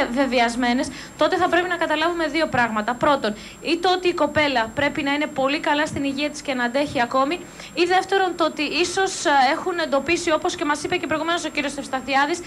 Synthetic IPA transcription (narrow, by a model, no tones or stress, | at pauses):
ve̞viɐzme̞ne̞s | t̪o̞t̪e̞θɐpɾe̞pinɐkɐt̪ɐlɐvume̞ðio̞pɾɐɣmɐt̪ɐpɾo̞t̪o̞n | it̪ot̪iːko̞pe̞lɐpɾe̞pinɐine̞po̞likɐlɐst̪iniʝiɐt̪iscenɐd̪e̞çiɐko̞mi | iðe̞ft̪e̞ɾo̞nt̪oot̪iiso̞se̞xune̞nd̪o̞pisio̞po̞sce̞mɐsipece̞p̬ɾo̞iɣume̞noso̞ciɾiosefst̪ɐθiɐðis